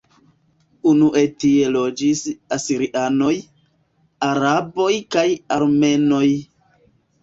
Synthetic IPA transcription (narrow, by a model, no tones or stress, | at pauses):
unuʔe̞tie̞lo̞d͡ʒisasiɾiʔano̞j | aɾabo̞jkajaɾme̞no̞j